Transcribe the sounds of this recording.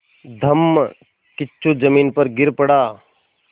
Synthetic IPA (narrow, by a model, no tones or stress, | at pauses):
d̪ʱɐmː | kɪt͡ʃʰːud͡ʒɐmiːnpəɾɡɪɾpəɽaː